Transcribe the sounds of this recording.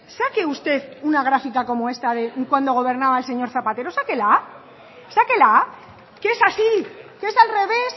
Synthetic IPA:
sake̞ust̪e̞ðunaɣ̞ɾafikako̞moe̞st̪aðe̞kwand̪o̞ɣ̞o̞β̞e̞ɾnaβaelse̞ɲo̞ɾθapat̪e̞ɾo̞sake̞la | sake̞la | keesasikeesalre̞β̞e̞s

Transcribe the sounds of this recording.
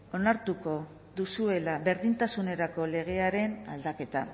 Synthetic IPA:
o̞naɾt̪uko̞ | ðusue̞laβe̞ɾðint̪asune̞ɾako̞le̞ɣ̞e̞aɾe̞na̰ld̪ake̞t̪a

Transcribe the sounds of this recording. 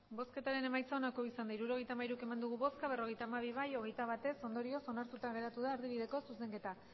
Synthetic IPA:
bo̞ske̞t̪aɾe̞ne̞majt͡saonako̞isand̪aiɾuɾo̞ɣ̞e̞jt̪amaiɾuke̞mand̪uɣ̞uβo̞skaβ̞e̞ro̞ɣe̞jt̪aːmaβ̞iβajo̞ɣe̞jt̪aβ̞at̪e̞so̞nd̪o̞ɾio̞so̞naɾt̪ut̪aɣe̞ɾat̪uðaːɾðiβiðe̞ko̞suse̞ŋke̞t̪a

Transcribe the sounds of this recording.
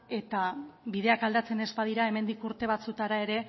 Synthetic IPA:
e̞t̪aβiðe̞akald̪at͡se̞ne̞zbað̞iɾae̞me̞nd̪ikuɾt̪e̞β̞at͡sut̪aɾae̞ɾe̞

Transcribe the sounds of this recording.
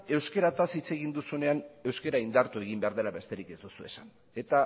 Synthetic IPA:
e̞wske̞ɾat̪asit͡se̞ɣind̪usune̞ane̞wske̞ɾaind̪aɾt̪ue̞ɣ̞imbe̞aɾð̞e̞laβe̞st̪e̞ɾike̞zd̪usue̞san | e̞t̪a

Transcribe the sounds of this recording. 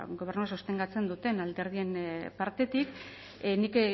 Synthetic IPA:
ɡo̞β̞e̞ɾnuasost̪eŋɡat͡se̞nd̪ut̪e̞nald̪e̞ɾð̞ie̞mpaɾt̪e̞t̪ik | nik

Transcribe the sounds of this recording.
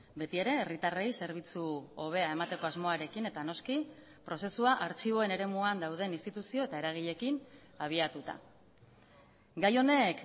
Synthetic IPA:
be̞t̪ie̞ɾe̞ːrit̪are̞jse̞ɾβ̞it͡suo̞β̞e̞ae̞mat̪e̞ko̞azmo̞aɾe̞kine̞t̪ano̞ski | pɾo̞se̞suaʔaɾt͡ʃiβo̞e̞ne̞ɾe̞muand̪awð̞e̞ninst̪it̪usio̞e̞t̪ae̞ɾaɣ̞iʎe̞kin | aβ̞iat̪ut̪a̰ | ɡajo̞ne̞k

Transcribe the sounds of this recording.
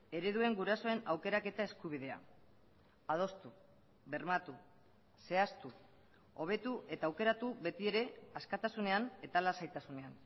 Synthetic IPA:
e̞ɾe̞ðue̞ŋɡuɾaso̞e̞nawke̞ɾake̞t̪ae̞skuβiðe̞a̰ | að̞o̞st̪u | βe̞rmat̪u | se̞ast̪u | o̞β̞e̞t̪uʔe̞t̪aːwke̞ɾat̪uβe̞t̪ie̞ɾe̞askat̪asune̞ane̞t̪alasajt̪asune̞an

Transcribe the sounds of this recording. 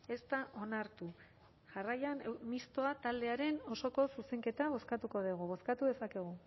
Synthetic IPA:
e̞st̪aʔo̞naɾt̪u | ʝarajanmist̪o̞at̪ald̪e̞aɾe̞no̞so̞ko̞suse̞ŋke̞t̪aβ̞o̞skat̪uko̞ð̞eɣ̞uβ̞o̞skat̪uðe̞sake̞ɣ̞u

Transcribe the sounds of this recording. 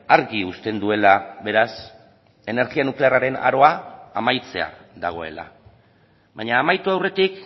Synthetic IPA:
aɾɣiust̪e̞nd̪ue̞laβe̞ɾas | e̞ne̞ɾɣianukle̞araɾe̞na̰ɾo̞aamajt͡se̞a̰ðaɣ̞o̞e̞̰la̰ | βaɲaːmajt̪uawre̞t̪ik

